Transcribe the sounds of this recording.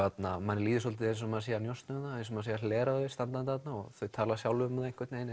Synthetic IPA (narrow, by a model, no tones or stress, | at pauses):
at̪namanɪliːðɪsɔlt̪ɪejns̬ɔmːaːðsiːjanjɔst̪nʏmnaensɔmːaːðsejalɛːɾaðɪst̪ant̪ant̪ɪat̪naɔɣθœɥt̪ʰaːlasjawlʏmðejŋ̥kʰvɛt̪nejnɪ